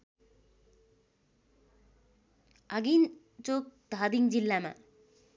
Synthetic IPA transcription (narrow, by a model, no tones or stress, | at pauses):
aɡin | t͡ɕok̚d̪ʱad̪iŋd͡ʑilːama̰